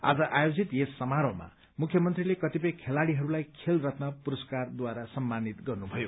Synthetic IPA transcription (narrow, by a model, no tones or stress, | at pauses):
a̰d͡zʌʔajod͡zit̪esːʌmaɾoma̰ | mukʰjʌmʌnt̪rilekʌt̪ipʌjkʰelaɽiɦʌɾulajkʰelrʌt̪nʌpuɾʌskard̪waɾasʌmːanit̪ɡʌrnubʱʌjo